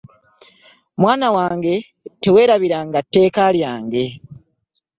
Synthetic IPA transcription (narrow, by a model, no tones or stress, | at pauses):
mwaːnawaːŋɡe̞ | te̞we̞ːɾaβiɾaŋɡatːe̞ːkaljaːŋɡe̞